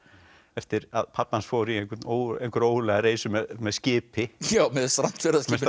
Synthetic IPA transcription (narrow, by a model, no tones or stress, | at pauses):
ɛft̪ɪɾa̰ðpʰapːansfoːwɾiejŋkʏt̪noːwejŋkʏɾoːwlɛɣaɾeːjsʏmɛðmɛðscɪːpɪjaːwmɛðst̪ɾam̥t̪fɛɾaskɪs